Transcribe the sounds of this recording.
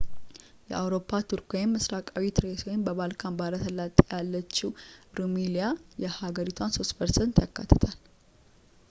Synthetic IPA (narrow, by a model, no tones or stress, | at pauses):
jɛ̰ʔawɾo̞pʰːat̪ʰuɾkʰoɪmːɨsɾakʼawit̪ʰɨɾeswojɪmbəβalkʰanbaɾət̪ʰəlːat̪ʼjalːət͡ʃːiwɾumilijajɛhaɡəɾit̪ʰwanso̞spʰəɾsent̪jakːa̰t̪ʰːə̥t̪ʰal